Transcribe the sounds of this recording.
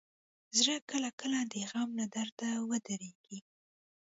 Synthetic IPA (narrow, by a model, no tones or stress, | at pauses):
zɾəkəlakəlad̪əɣamlad̪aɾd̪awəd̪aɾeɡ̥i